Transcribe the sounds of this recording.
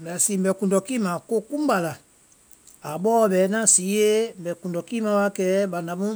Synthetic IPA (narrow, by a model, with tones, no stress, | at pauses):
bɛ˨si˨˦m̩˨bɛ˨kũ˨ndɔ˨kiː˦mã˨ko˦kũ˦ba˨la˨ | a˨ɓɔː˦˧ɓɛ˨˦nã˦si˨˦je˦m̩˨bɛ˨kũ˨ndɔ˨kiː˦mã˧˦wa˧˦kɛː˨˦ɓã˨nda˨mũ˦